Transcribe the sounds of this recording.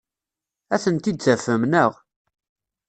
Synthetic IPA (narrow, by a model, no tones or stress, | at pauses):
æθənt̪id̪̚t͡sːæfəmnəʁ